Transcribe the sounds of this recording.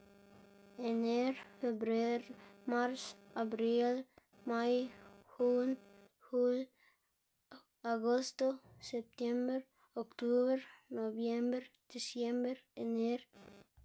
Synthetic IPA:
ɛneɾfɛbɾɛɾmaɾsabɾil | majhun | hul | aɡɔst̪osɛp̚t̪ɛmbəɾ | ɔkt̪ubəɾnovjɛmbəɾd̪̥ɛsjɛmbəɾɛneɾ

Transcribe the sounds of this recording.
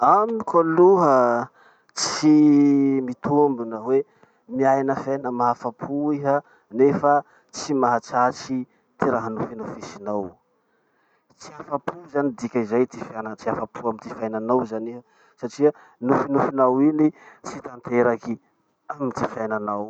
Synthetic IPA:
amikʰaluɦə | t͡si | mit̪umbunəwe | miajnəfjajnəmaɦafapʰuiɦə | nefə | t͡simaɦat͡sat͡ʃi | t̪iɾaɦənufinufisinaw | t͡siafapʰuzanid̪ikʲaizajt̪ifanat͡siafapʰuamit̪ifajnanawzaniɦə | saʈ͡ʂiə | nufinufinawinit͡sit̪ant̪eɾaki | amit̪ifiajnanaw

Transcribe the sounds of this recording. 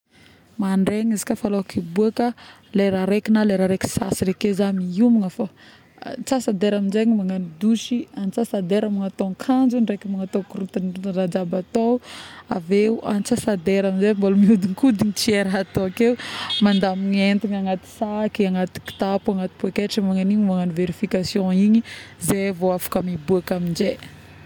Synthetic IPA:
maɳɖ͡ʐeɲizi̥kʲafaloakibuakə | leɾaɾekinaleɾaɾeki̥sa̰siɾekezaniumiŋəfa | t͡sasad̪eɾaminzeɲimaŋanid̪uʃiant͡sasad̪eɾamaŋat̪oŋkʰand͡ʒunrekimaŋat̪okuɾut̪anrad͡ʒabat̪oa̰veuʔa̰nt͡sasad̪eɾamind͡ʒembolumiud̪iŋkud̪iɲit͡sieɾaat̪oakewmand̪amiɲent̪iɲaŋat̪i̥sakiaŋat̪i̥ki̥t̪apuaŋat̪i̥puekeʈ͡ʂəmaŋaniɲimaŋaniveɾifikasjɔ̃iɲizeavoafḁkamibuakamind͡ʒe

